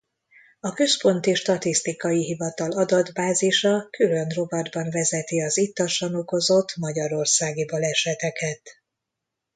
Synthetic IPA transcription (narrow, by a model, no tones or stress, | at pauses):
ɒkø̞spo̞nt̪iʃt̪ɒt̪ist̪ikɒjiɦivɒt̪ɒlɒd̪ɒd̪baːziʃɒkylø̞nro̞bɒd̪bɒɱvɛzɛt̪iɒzit̪ːɒʃɒno̞ko̞zo̞t̪ːmɒɟɒɾo̞rsaːɡibɒlɛʃɛt̪ɛkɛt̪